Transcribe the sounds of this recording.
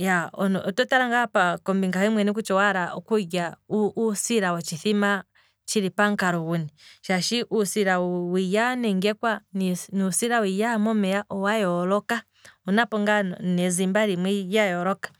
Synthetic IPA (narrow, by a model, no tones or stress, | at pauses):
jaɔnɔtɔtaɾaŋɡapakɔmbiŋɡahimwɛnikut͡ʃɔwaɾaukuɡauusiɾaɔt͡ʃiθima | t͡ʃiɾipaŋkaɾuɣuniʃaʃiʔusiɾawijanɛŋɡɛkwannusiɾawijamɔmɛjaʔɔwajɔlɔka | ɔnapɔŋɡanɛzimbaɾimwijajɔɾɔkḁ